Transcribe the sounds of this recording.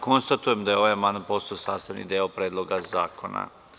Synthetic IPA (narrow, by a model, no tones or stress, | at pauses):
ko̞nst̪at̪ujemd̪ajeo̞ʋajamand̪anpo̞st̪aosaːst̪aʋnḭd̪eopɾeːd̪lˠo̞ɡazaːko̞na̰